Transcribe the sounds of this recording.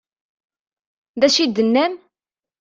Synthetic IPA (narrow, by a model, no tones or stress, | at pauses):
ðæʃid̪ːənːæm